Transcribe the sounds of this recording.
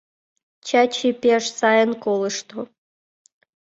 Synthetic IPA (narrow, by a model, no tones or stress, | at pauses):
t͡ɕat͡ɕipʲeʂsɑjənkolˠɨ̆ʃt̪o